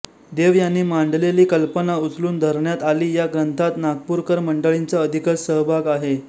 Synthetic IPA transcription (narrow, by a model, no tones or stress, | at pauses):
d̪eʋjanːiːmaɳɖleliːkəlpənaut͡sluːnd̪ʱəɾɳjat̪aliːjaɡɾənt̪ʰat̪naɡ̚puɾkəɾməɳɖəɭint͡saəd̪ʱikəsəɦbʱaɡaɦe